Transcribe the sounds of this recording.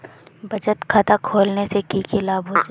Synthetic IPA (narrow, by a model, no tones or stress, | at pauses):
bɐd͡ʒət̪kʰaːt̪akʰoːlnesekikɪlaːbɦoːd͡ʒa